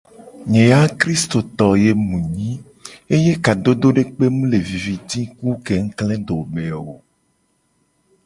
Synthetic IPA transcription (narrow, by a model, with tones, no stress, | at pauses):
ɲẽ˨ja˦kɾi˦st̪o˨t̪ɔ˨je˨mũ˨ɲĩ˦ | e˦je˦ka˨d̪o˦d̪o˦ɖe˦k͡pe˦mũ˦le˨vi˨vi˨t̪i˦ku˦ke˨ŋ̩˦klɛ̃˦d̪o˨me˨o̰˨